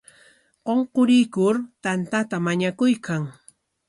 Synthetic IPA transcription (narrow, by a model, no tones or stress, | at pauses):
qoɴqoɾɪjkʊɾt̪ant̪at̪amaɲakʊjkaŋ